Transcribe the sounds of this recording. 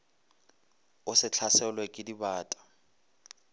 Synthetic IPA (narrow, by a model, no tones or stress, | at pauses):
ʊsɪt͡ɬʰasɛlwɛkʼɪdibaːtʼḁ